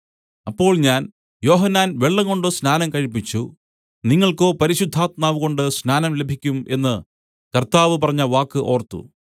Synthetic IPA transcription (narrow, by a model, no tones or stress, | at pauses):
ɐpːo̞ːɭɲaːn | jo̞ːɦɐnːaːnʋe̞ɭːɐŋko̞ɳɖɨsnaːnɐmkɐɻipːit͡ɕːu | niŋːɐɭko̞ːpɐɾiɕud̪ʱːaːt̪̚maːʋuɣo̞ɳɖɨsnaːnɐmle̞bʱikʲːume̞nːɨ | kɐrt̪aːʋɨpɐrɐɲːɐʋaːkːɨʔo̞ːrt̪ːṵ